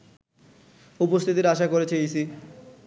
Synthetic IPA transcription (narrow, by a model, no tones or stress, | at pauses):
upost̪ʰit̪iɾaʃakoɾet͡ɕʰeisi